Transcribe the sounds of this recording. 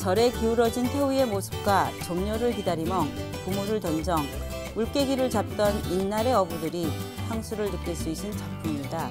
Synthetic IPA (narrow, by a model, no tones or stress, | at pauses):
t͡ɕʌɾe̞kiuɾʌd͡ʑintʰeuie̞mosʰɯ̥p̚k͈wat͡ɕʌmɲoɾɯɭkidaɾimjʌŋ | pumoɾɯɭtʌnd͡ʑʌŋ | uɭk͈e̞ɡiɾɯɭt͡ɕap̚t͈ʌninːaɾe̞ʌbudɯɾisʰaŋsʰuɾɯɭnɯk͈iɭs͈uis͈ʰɯnt͡ɕapʰumɲida